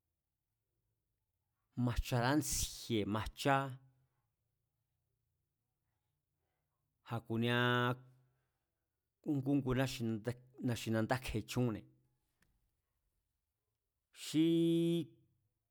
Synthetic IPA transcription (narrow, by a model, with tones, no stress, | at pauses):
mã˧t͡ʃa˧ɾa˦nt͡si̥˧˨hje˨mã˧t͡ʃa˦ | ha˧ku˨nĩ˧ã˧ | ku˦ŋɡu˦ŋɡu˧nã˦ʃĩ˧˦nã˧ʃi˧nã˧nd̪a˦kʰe˧˨t͡ʃũ˦˧nḛ̃˨ | ʃi˦